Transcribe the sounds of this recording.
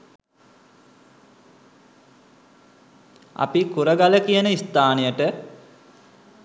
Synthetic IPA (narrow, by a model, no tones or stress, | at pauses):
a̰pikuɾəɡaləkijənəist̪aːnijəʈə